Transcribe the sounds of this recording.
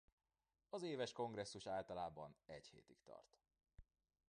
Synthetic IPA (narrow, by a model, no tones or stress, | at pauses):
ɒzeːvɛʃko̞ŋɡrɛsːuʃaːlt̪ɒlaːbɒnɛɟhḛːt̪ikt̪ɒ̰rt̪